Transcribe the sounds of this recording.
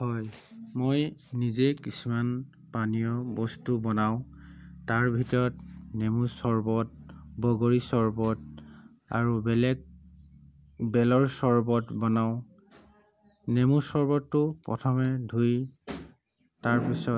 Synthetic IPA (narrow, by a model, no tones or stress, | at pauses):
hɔjmojnizekisuman | panijɔbɔstubɔnaʊ̃taɹbʱitɔɹɔtnemusɔɹbɔt̚bɔɡoɹisɔɹbɔt | a̰ɹubɛlɛk̚ | bɛlɔɹsɔɹbɔtbɔnaʊ̃ | nemusɔɹbɔtːʊpɹɔ̰tʰɔmɛdʱuj | taɹpisɔ